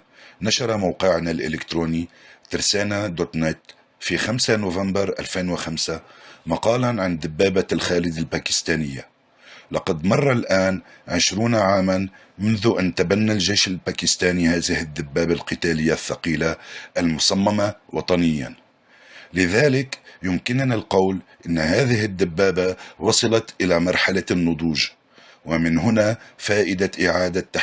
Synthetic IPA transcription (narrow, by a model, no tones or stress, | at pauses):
naʃɑɾˤɑmawqɪʕnalʔɪ̰lɪkt̪ɾuːnit̪ɪɾsaːnad̪ot̪nɪt̪ | fixamsanʊvambɑɾˤʔa̰lfeːnwɪxamsamɑqɑːlanʕand̪ɪbːaːbalxaːlɪd̪ɪlbaːkɪ̥st̪aːnɪjːa | lɑqɑd̪mɑrˤːɑlʔaːnʕɪʃɾuːnaʕaːman | mʊnðʊʔant̪abanːalʒejʃalbaːkɪst̪aːnihaːðɪhɪd̪ːabːaːbalqɨt̪aːlɪjːaθːɑqiːlaʔalmʊsamːamawɑt̪ˤɑnɪjːa̰n | lɪðaːlɪkjʊmkɪnnalqɑwlʔɪnːhaːðɪhɪd̪ːabːaːbawɑsˤɑlɑt̪ʔɪlamɑɾˤħalanːʊd̪ˤuːʒ | wamɪnɦʊnafaːʔɪd̪aʔɪʕaːd̪at̪ːa